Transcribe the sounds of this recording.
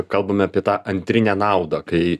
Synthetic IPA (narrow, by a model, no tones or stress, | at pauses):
kɐlˠbɐmʲɪɐːpʲiɛt̪ɑːʔɐnʲt̪ʲɾʲɪnʲæːnɑˑʊd̪ɐkɐɪ